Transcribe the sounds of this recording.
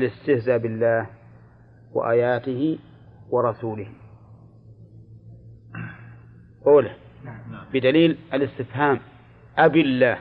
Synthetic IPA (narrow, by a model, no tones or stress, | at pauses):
lɪst̪ɪhzaːbɪlːaːh | wa̰ʔa̰ːjaːt̪ɪhɪ | wɑɾˤɑsuːlɪh | ʔoːla | bɪd̪aliːlʔalɪst̪ɪfhaːm | ʔabɪlːaːh